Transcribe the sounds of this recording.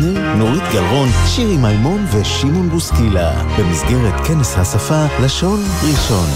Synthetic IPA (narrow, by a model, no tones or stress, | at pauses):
i | noʁit̪ɡalʁo̞nʃiʁimajmo̞nve̞ʃimunbuskila̰b̥e̞misɡe̞ʁet̪keneshasafalaʃo̞nʁiʃo̞n